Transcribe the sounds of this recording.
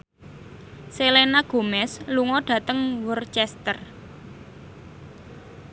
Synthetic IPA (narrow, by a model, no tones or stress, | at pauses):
selenaɡ̥o̤mɛsluŋɔɖ̥ä̤t̪əŋwurt͡ʃɛst̪ər